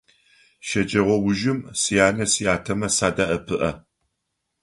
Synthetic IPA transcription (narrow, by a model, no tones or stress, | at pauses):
ʃɐd͡ʒʼɐʁʷɔwʊʒɪmsijaːnɐsijaːtʰɐmɐsaːdɐʔɐpʰɨʔɐ